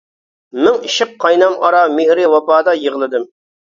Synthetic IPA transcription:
mɪŋiʃɪq̚ʰːɑjnɑmɑɾɑmɪhɾɪwɑpɑːd̪ɑjəʁlˠɨd̪ɨm

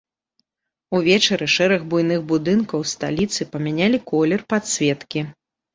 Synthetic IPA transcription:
uvʲɛt͡ʂɐɾɨʂɛɾɐɣbujnɨɣbud̪ɨnkɐwst̪a̰lʲit̪sɨpɐmʲanʲalʲikɔlʲɛrpat̪sʲvʲɛt̪kʲi

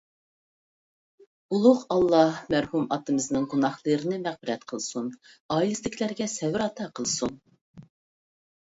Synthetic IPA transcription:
ulˠʊqɑlˠːɑhmæɾhumɑt̪ɨmɨznɨŋɡunɑχlˠɨɾɨnɨmæχbɪɾɛt̪qʰəlˠsunɑːilɨslɪkʰʲlæɾɡʲɛsɛwɪɾɑt̪ʰɑqʰəlˠsun

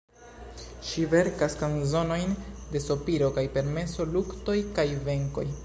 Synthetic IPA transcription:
ʃive̞ɾkaskanzo̞no̞jnde̞sopiɾo̞kajpe̞ɾme̞so̞lukto̞jkajve̞ŋko̞̰j

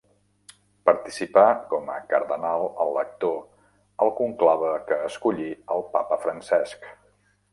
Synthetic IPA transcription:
pəɾt̪isipakɔmə̰kəɾðənalˠəlˠːək̚t̪o | əlˠkuŋklaβ̞əkəːskuʎiəlˠpapəfɾənsɛsk

